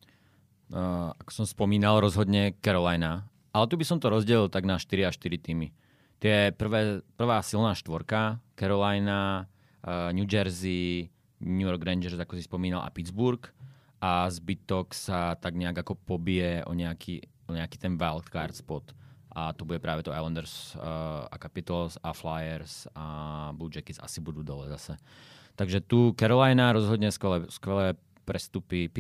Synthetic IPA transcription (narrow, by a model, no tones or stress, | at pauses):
akɔ̥sɔmspɔmiːnalˠɾɔzɦɔd̪ɲɛkɛɾɔlajna | ʔalɛt̪ubisɔmt̪ɔɾɔzɟɛlilˠt̪aɡnaʃt̪iɾiaʃt̪iɾit̪iːmi | t̪ɪɛpr̩ʋɛːpr̩ʋaːsilˠnaːʃt̪ʋɔɾkakɛɾɔlajna | ɲud͡ʒɛɾzi | ɲujɔɾɡɾɛnd͡ʒɛɾzakɔsispɔmiːnalʔa̰pid̪d͡zbuɾk | ʔazbit̪ɔksat̪aɡɲɛaɡakɔpɔbɪɛʔɔ̰ɲɛakʰi | ɔɲɛakiːt̪ɛnʋɛlˠk̪kaɾt̪spɔt̪ʔat̪ɔbuɟɛpɾaːʋɛt̪ɔajlɔnd̪ɛɾs | a̰kapit̪lsaflajɛɾsabluːd͡ʒɛkit͡sa̰sibud̪uːd̪ɔlɛzasɛ | t̪aɡʒɛt̪ukɛɾɔlajnaɾɔzɦɔd̪ɲɛskɛlɛskʋɛlɛː | pɾɛst̪upip